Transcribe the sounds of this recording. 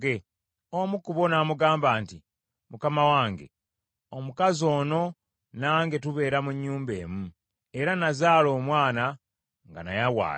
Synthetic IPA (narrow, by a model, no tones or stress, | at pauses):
e | omukuβo̞naːmuɡaːmbaːnti | mukamawaːŋɡe̞̰ | o̞mukazo̞ːno̞ | naːŋɡe̞tuβe̞ːɾamuɲːuːmbe̞̰ːmu | e̞ɾanazaːlo̞ːmwaːna | ŋɡana̰jawa̰ː